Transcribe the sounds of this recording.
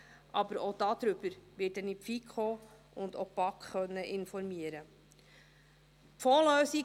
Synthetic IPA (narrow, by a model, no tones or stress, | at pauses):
ʔɑbəɾod̥ɑd̪̥ɾʏb̥əɾʋɪːt̚dɛnipfikχoː | ʊndopɑkχœnːəʔɪnfɔɾmiəɾə | pfɔːløːsi